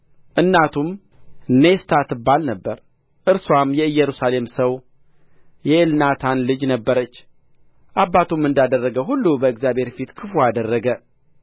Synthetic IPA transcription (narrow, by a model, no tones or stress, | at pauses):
ʔɨnːat̪ʰum | nest̪ʰat̪ːɨbːalnəbːəɾ | ʔɨɾswamjɛɨjːɛɾusale̞msəw | jɛɨlnat̪ʰanlɨd͡ʒnəbːəɾət͡ʃː | ʔabːat̪ʰumːɨnd̪ad̪ərːəɡəɦulːubəɨɡzjabhe̞ɾfit̪kʰɨfuad̪ərːəɡə